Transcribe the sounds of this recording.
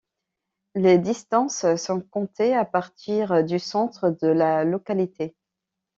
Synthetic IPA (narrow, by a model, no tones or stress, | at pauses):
led̪ist̪ɑ̃ssɔ̃kɔ̃t̪ʰeapaʁt̪iʁd̪ysɑ̃t̪χəd̪əlalɔkalit̪ʰe